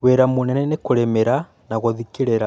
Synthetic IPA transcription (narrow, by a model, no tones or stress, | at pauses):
ɣweɾamonɛnɛnekoɾemeɾa | naɣoðikeɾeɾa